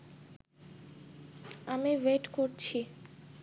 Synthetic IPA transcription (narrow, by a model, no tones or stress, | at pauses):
amiweʈkoɾt͡ɕʰi